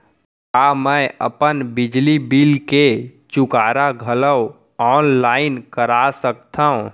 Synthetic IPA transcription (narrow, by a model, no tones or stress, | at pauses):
aːmə̃ə̰pənbɪd͡ʒlibilket͡ʃʊkaːɾaɡʱələw | ɔːnlaːɪnkəɾasək̚t̪ʰaɦũ